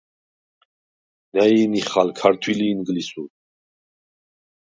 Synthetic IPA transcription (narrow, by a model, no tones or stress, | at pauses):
nainiχalkʰaɾt̪ʰwiliːnɡlisuɾ